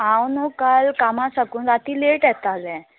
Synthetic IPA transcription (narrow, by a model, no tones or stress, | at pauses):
ɦawnɔkalkamãsakuːndat̪iːleʈɛt̪azɛ̃